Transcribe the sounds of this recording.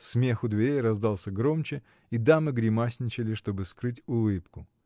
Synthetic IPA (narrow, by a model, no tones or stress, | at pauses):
smʲexʊd̪vʲɪɾʲejrɐzd̪ɑlˠsʲəɡɾo̞mt͡ɕɪ | id̪amɨɡɾʲɪmasʲnʲɪt͡ɕɪlʲɪʂt̪o̞bɨskɾɨtʲʊlˠɨpkʊ